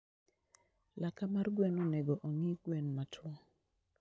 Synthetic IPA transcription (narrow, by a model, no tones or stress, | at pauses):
lakamarɡwɛnɔnɛɡɔʔɔŋiɡ̥wɛnmatʰwɔ